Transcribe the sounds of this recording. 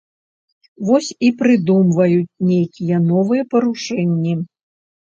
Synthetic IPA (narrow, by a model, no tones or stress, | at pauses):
vɔsʲipɾɨd̪umvɐjut͡sʲnʲejkʲijɛnɔvɨjɛpɐɾuʂɛnʲːi